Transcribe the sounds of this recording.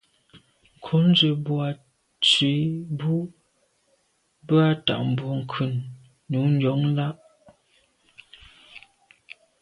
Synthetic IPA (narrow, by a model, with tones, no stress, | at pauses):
ŋ̩˨kʰu˨˦n˦d͡ʒə˨bwa˨ | t͡si˨˦bu˦ | bə˦a˦ta̰˨ʔm̩˨bɔ˨ŋ̩˨kʰʉ˨n | nːu˨˦n̩˦dɔ˨˦ŋla˦ʔ